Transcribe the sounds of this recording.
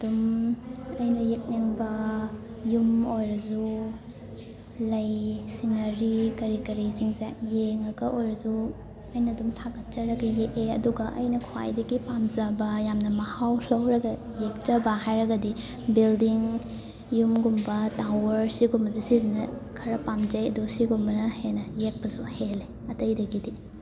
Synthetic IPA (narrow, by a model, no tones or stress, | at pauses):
ɐdum | ɐjnɐjek̚neŋbɐ | jumojɾɐzu | lɐjsinɐɾikɐɾikɐɾiziŋzajeŋɐɡɐʔojɾɐzu | ɐjnɐdumsaɡɐt̚t͡ʃɐɾɐɡɐjeʔeɐ̰duɡɐʔɐ̰jnɐkʰwa̰jdɐɡipamzɐbɐjamnɐmɐhawlɐwɾɐɡɐ | jek̚t͡ʃɐbɐhajɾɐɡɐdi | bildiŋ | jumɡumbɐtawɐɾsiɡumbɐzisizinɐkʰɐɾɐpamzɐjɐdusiɡumbɐnɐhenɐjek̚pɐsuhele | ɐtɐjdɐɡidi